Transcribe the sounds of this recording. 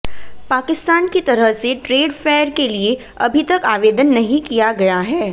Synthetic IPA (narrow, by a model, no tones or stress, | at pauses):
paːkɪst̪aːnkit̪ɐɾəɦseʈɾeːɖfɛːɾkelie | ɐbʱit̪ɐkaːʋeːd̪ənːɐɦĩkijaɡɐjaɦɛː